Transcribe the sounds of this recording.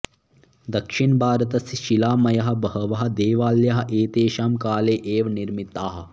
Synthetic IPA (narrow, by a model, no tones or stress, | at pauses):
d̪ɐkʃiɳbʱaːɾɐt̪ɐsʃilaːmɐjɐɦɐ̆bɐɦɐʋɐɦɐ̆d̪eːʋaːljɐɦɐ̆ʔeːt̪eːʃaːmkaːleːʔeːʋniɾmit̪aːɦɐ̆